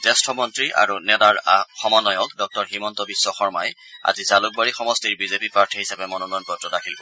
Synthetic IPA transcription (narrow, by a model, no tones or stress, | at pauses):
tɛstʰɔmɔntɹiʔa̰ɹunɛdaɹxɔmɔnɔjɔkdɔk̚tɔɹɦimɔntɔbisːɔxɔɹmaj | a̰zizalʊk̚baɹixɔmɔstiɹbizepipaɹtʰihisabɛmɔnɔnɔjnpɔtɹɔdakʰil